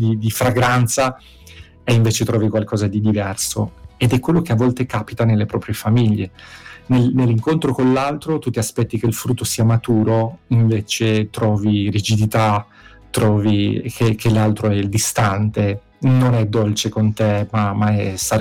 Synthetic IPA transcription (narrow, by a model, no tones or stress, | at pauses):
d̪id̪ifɾaɡɾant̪sa | eiɱveːt͡ʃet̪ɾʔɔːvikwalkɔːzad̪id̪ivɛrsoed̪ɛkwelːokeavːɔlt̪ekapit̪anelːepɾɔːpɾjefamiʎːenelnelːiŋkont̪ɾokonlːalt̪ɾot̪ut̪ːiaspɛt̪ːikeilfɾut̪ːosiːamat̪uːɾoiɱveːt͡ʃet̪ɾɔːviɾid͡ʒid̪it̪a | t̪ɾɔːvikʰekʰelːalt̪ɾoɛild̪ist̪ant̪e | nonɛd̪ːolt͡ʃekont̪emamaɛsa